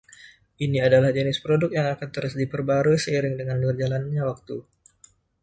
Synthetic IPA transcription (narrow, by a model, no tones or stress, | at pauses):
ʔiniadalahd͡ʒənɪspɾodʊk̚jaŋakant̪əɾəsdipərbaɾusəiɾɪŋdəŋanbərd͡ʒalanɲawak̚t̪u